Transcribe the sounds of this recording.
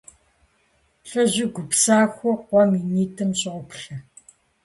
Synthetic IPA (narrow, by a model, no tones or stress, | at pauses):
ɬɐʑɪɡʷʊpsaːxʷɔqʷɔminiːtʰɨmɕʼɪʁʷɔpɬɐ